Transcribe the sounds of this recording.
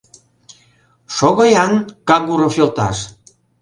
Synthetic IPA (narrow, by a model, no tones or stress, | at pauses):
ʃoɣojɑnkɑɣuɾofolt̪ɑ̰ʃ